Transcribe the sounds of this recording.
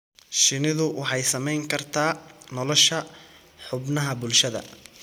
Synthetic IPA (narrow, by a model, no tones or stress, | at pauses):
ʃɪnɪðʊwʔɑħɑjsɐmɛjŋkʰɐrt̪ʰaːnɔlɔʃɐ | ħʊbnɐɦɐbʊlʃɐðɐ̰